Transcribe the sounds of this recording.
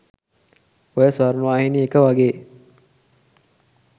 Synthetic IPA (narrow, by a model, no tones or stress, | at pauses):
ojəsʋaɾnuʋaːhiniekəʋaɡeː